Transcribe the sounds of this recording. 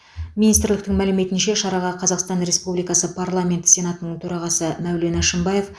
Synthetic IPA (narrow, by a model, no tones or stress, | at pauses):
minist̪ɾlɪk̚t̪ɪŋmælɪme̞t̪ɪnʃeʃɑɾɑʁɑqʰɑzɑqst̪ɑnɾe̞spublijkɑsəpʰarlˠamʲe̞nt̪sʲe̞nɑt̪ənəɴt̪ʰɵɾɑʁɑsəmæwle̞næʃəmbɑje̞f